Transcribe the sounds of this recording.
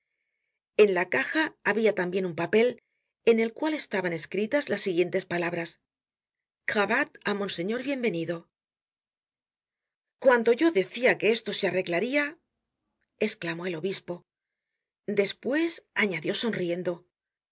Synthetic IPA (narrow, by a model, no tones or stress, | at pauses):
e̞nlakaxaːβiat̪ambje̞numpape̞l | e̞ne̞lkwale̞st̪aβane̞skɾit̪azlasːiɣje̞nt̪e̞spalaβɾas | xaβat̪amo̞nse̞ɲo̞ɾβje̞mbe̞niðo̞ | kwand̪o̞ʝo̞ðe̞θiake̞e̞st̪o̞seare̞ɣlaɾia | e̞sklamo̞e̞lo̞βispo̞ | d̪e̞spwe̞saɲaðjo̞so̞nrie̞nd̪o̞